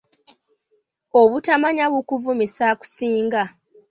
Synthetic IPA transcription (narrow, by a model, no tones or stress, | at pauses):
oβutamaɲaβukuvumisaːku̥siːŋɡa